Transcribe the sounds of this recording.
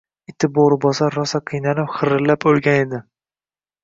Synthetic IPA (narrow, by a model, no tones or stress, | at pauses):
ɪt̪ʰɪboɾbɒsaɾːɒsaqʰɨjnalɪpχɨɾɨlapɵlˠɡʲaned̪ɪ